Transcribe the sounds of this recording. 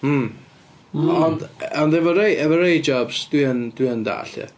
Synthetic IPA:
mm̩ | ɔndɔndɛvɔɾejʔɛvɔɾejd͡ʒɔbsd̥wiənd̥wiənda̰ːɬə̰

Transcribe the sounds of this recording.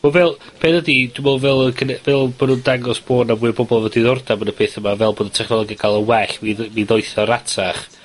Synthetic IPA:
movɛlˠpʰeːθədidumɛlˠvɛlˠəkʰənɛvɛlˠbonundaŋɔsb̥oːnavwuɨbɔbɔlˠvədiðɔrdabənəpʰeːθəmavɛlˠboːdətʰɛχnɔlˠɔɡjaɡ̥alˠəwɛɬviviðɔjθɔɾatʰaχ

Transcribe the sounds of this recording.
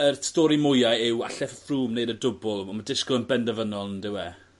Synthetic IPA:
ərstɔːɾimʊjajɪwa̰ɬɛffruːmneɨdədʊbʊlˠɔmadɪʃkɔənbɛndəvənɔlˠndɪwɛ

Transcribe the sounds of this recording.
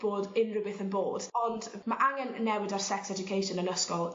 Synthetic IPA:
b̥oːdɪnrəbɪθənbo̰ːd̥ɔndmaʔaŋɛnnːɛwɪdarsɛksɛd͡ʒʊkʰejʃɔnənəskɔlˠ

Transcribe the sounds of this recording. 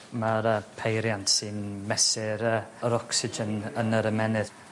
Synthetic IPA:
maɾəpʰejɾjantsɨnmɛsɪɾəəɾɔksɪd͡ʒənənəɾəmɛnɪð

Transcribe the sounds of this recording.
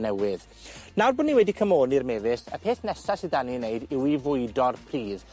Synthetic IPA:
nɛwɪð | nawrbʊnːiwɛdikʰəmoːnirmɛvɪsə̰pʰeːθnɛsasɪdanineɨdɪwivʊɨdɔrpʰriːð

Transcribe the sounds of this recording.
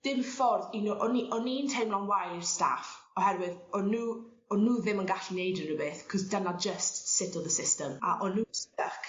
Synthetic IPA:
d̥ɪmfɔrðinuʔɔniʔɔnintʰejmlˠɔnwajrsta̰f | ɔhɛrwɪðɔnuː | ɔnuːðɪmənɡaɬinejdənəbeːθkʰɔzdənad͡ʒəstsɪtʰɔlˠðəsɪstəma̰ʔɔnusəkʰ

